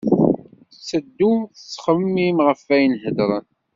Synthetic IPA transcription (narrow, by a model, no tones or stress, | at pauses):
sːəd̪ːuθəsːχəmːimʁəfæjənhəd̪ɾˤən